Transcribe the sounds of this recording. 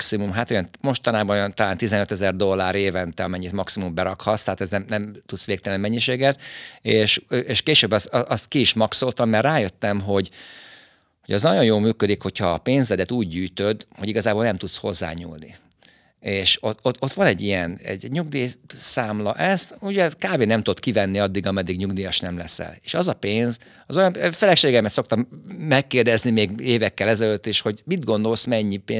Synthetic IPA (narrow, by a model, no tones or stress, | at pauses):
ksimumɦat̪ojɒnmo̞ʃt̪ɒnaːbɒno̞jɒnt̪ɒlaːnt̪izɛnøt̪ɛzɛrd̪o̞lːaːɾeːvɛnt̪ɛɒmɛɲːit̪mɒksimumbɛɾɒkhɒt̪st̪ɛɦːt̪ɛznɛmnɛmt̪ut̪sʋeːkt̪ɛlɛnimɛɲːiʃeːɡɛt̪eːʃøʔeːʃkeːʃøːbɒsɒst̪kiiʃmɒkso̞lt̪ɒmːɛrraːjøt̪ːɛmɦo̞ɟ | hoɟɛznɒɟo̞njoːlmyːkø̞d̪ikho̞chɒːpeːnzɛd̪ɛt̪uːɟːyːjt̪ød̪hoɟiɡɒzaːbolnɛmt̪ut̪sho̞zːa̰ːɲṵːlnḭ | eːʃootot̪ʋɒnɛɟːijɛnɛ̰ɟɲuɡd̪iːsaːmlɒʔɛst̪uɟɛkaːveːnɛmt̪uot̪kivɛnːiɒd̪ːiɡɒmɛd̪ːiɡɲuɡd̪ijɒʃnɛmlɛ̰sɛ̰leːʃɒzɒpeːnz | ɒzo̞jɒnfɛlɛkʃeːɡɛmɛt̪so̞k̚t̪ɒmːɛkːeːrd̪ɛznimeːɡeːvɛkːɛlɛzɛløt̪ːeːʃho̞ɟmid̪ɡo̞nd̪o̞lsmɛɲːipeː